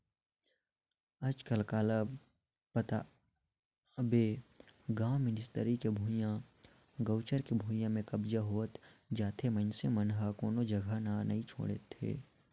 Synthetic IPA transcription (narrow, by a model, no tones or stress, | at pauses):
əd͡ʒkəlkaːla | pət̪a | beɡãːwmɪnɪst̪əɾikebʱuːjã | ɡəʊt͡ʃəɾkebʱuːjãmẽkəbd͡ʒaɦoːt̪d͡ʒaːt̪ʰemənsemənɦakoːnod͡ʒəɡʱənanɐɦĩt͡ʃʰo̰ːɽet̪ʰḛː